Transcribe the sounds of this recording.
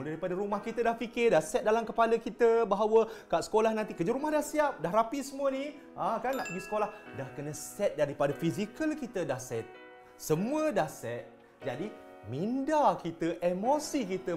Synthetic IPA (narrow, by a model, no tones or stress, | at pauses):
uldaɾipadəɾumahkit̪ədahpikɪrdahsɛt̪̚dalamkəpaləkit̪əbaɦawəkaʔsə̥kolahnãnt̪ikəd͡ʒaɾumahdahsiap̚daɦɾapisəmuəni | akanːaʔbisə̥kolahdahkənəsɛt̪̚daɾipadafizikəlkit̪ədahsɛt̪̚ | səmuədahsɛt̪̚ | d͡ʒadi | mindakit̪əʔemosikit̪ə